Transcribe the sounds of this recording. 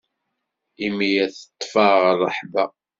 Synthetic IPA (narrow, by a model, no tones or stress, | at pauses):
imijæθə̥t̪ˤːfɑʁrˤːəħbæ